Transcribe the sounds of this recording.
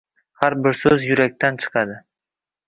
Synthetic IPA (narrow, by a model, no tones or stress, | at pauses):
haɾbɪɾsɵzjʊɾak̚ʲt̪ʰant͡ʃʰɨ̥qʰɑd̪ɪ